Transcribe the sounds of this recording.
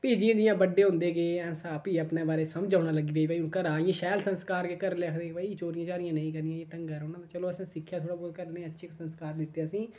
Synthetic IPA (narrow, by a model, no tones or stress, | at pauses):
peːd͡ʒɪjãːd̪ɪjãːbəɖeːɦʊ̃nd̪eːɡeːɛ̃ːnsaːpiːəpneːbaːɾeːsəmd͡ʒaːʊnaːləɡiːbeːibːiũːkəɾaːɪjãːʃɛːlsənskaːɾkekəɾlɛːkʰd̪eːebaːit͡ʃoːɾɪjãːt͡ʃaːɾɪjãːnə̃ĩkəɾnɪjãːj̃ːʈəŋɡaːɾoːnãːd̪aːt͡ʃəloːəsãːsɪkʰːjaːt̪ʰoːɽaːboːd̪̚kəɾnẽətːʃʰiːksənskaːɾd̪ɪt̪ːeaːsĩː